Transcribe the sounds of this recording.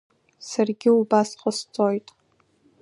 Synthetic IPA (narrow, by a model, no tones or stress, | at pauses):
sarɡʲɪubasqʼəst͡sʼojtʼ